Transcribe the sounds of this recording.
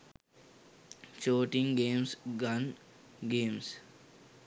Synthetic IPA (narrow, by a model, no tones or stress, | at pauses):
t͡ʃoːʈĩŋɡeːmsɡɐn | ɡeːms